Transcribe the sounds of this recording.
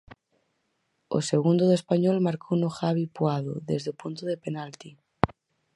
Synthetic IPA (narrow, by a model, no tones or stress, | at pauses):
o̰seɣund̪oðespaɲolmaɾkʰounoxaβ̞ipwaðo̰ðezðeopunt̪oðepenalt̪i